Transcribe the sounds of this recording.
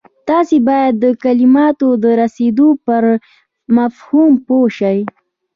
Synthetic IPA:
t̪ɑsebɑjad̪ːəkalɪmɑt̪od̪əɾased̪opəɾ | mafhumpoʃaj

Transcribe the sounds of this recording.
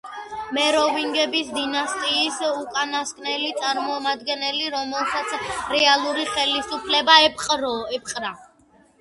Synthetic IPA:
mɛɾɔviŋɡɛbisd̪inast̪ʼiːsukʼanaskʼnɛlit̪sʼaɾmɔmad̪ɡɛnɛliɾɔmɛlˠsat̪sʰɾɛalˠuɾiχɛlisupʰlɛbaɛpqʼɾɔɛp̚qʼɾa

